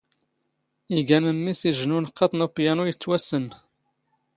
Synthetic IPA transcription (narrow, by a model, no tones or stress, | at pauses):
iɡæməmːisiʒnunqʰːɑt̪ˤnupjænujət͡sːwæsən